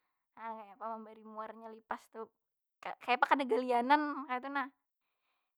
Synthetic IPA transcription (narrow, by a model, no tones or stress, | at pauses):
akajapaməmbaɾimuarɲalipast̪u | kakajapakadaɡalianankaat̪unah